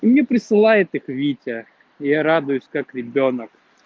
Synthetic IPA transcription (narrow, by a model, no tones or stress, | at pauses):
imnʲepɾʲɪsɨlˠajɪt̪ɨxʋʲitʲɐ | jaɾad̪ʊjʊsʲkakɾʲɪbʲonək